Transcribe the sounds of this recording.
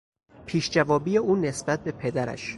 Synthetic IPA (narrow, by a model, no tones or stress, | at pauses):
pʰiːʃd͡ʒævɒːbiːjeʔuːne̞sbæt̪̚be̞pʰe̞d̪æɾæ̰ʃ